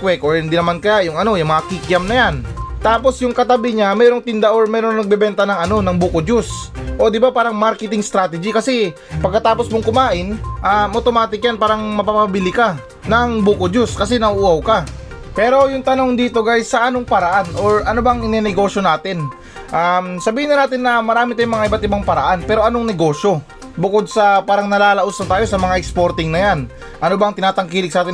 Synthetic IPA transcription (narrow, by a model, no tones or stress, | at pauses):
kwɛkoɹhɪnd̪inɐmankɐjajʊŋɐno̞jɐŋmɐɐkikjɐmnɐjant̪aːpo̞sjʊŋkɐt̪ɐbɪɲamɛːɾo̞ŋt̪ɪnd̪ɐʔoɹmɛːɾo̞ŋnɐɡ̚bɛbɛnt̪ɐnɐŋɐno̞nɐŋbuːkod͡ʒusʔo̞d̪ɪbapaːɾɐŋmaɾkɛt̪ɪŋst̪ɾaːt̪ɛd͡ʒikɐsɛ | pɐɡkːɐt̪aːposmoŋkʊmaːʔɪnʔaʔot̪o̞maːt̪ɪk̚janpaːɾɐŋmɐpapabɪlɪka | nɐŋbuːkod͡ʒʊskɐsɛnɐʔuːɐwka | pɛːɾo̞jʊŋt̪ɐnoŋd̪iːt̪o̞ɡajsɐʔɐnoŋpɐɾɐʔanʔo̞ɹʔɐnobɐŋɪnɛnɛɡo̞ːʃjo̞naːt̪ɪn | ʔamsɐbiːhɪnːɐnaːt̪ɪnːɐmɐɾaːmɪt̪ajuŋmɐŋaʔɪbat̪̚ɪbaŋpɐɾɐʔanpɛːɾo̞ʔɐnoŋnɛɡo̞ːʃjo̞ | bʊkod̪̚sɐpaːɾɐŋnɐlaːlɐʔosɐnt̪aːjo̞sɐmɐŋaʔɛkspo̞ɾt̪ɪŋnɐjan | ʔɐnobɐŋt̪ɪnaːt̪ɐŋkiːlɪk̚saːt̪ɪ